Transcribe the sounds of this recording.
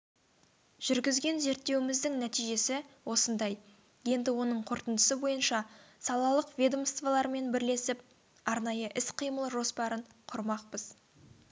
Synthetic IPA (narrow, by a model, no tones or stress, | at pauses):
ʒ̥ʏɾɡʲɪzɡʲe̞nze̞ɾt̪ːe̞wɪmɪzd̪ɪŋnæt̪ijʒe̞sɪwo̞sənd̪ɑj | je̞nd̪ɪwo̞nəɴqʰoɾt̪ənd̪əsəbo̞jənʃɑsɑlˠɑlˠəqvʲed̪o̞mst̪vɑlˠɑɾme̞nbɪɾle̞sɪp̚ | ɑɾnɑjəʔɪsqʰijməlˠəʒo̞spɑɾəɴqʰʊɾmɑq̚pəz̥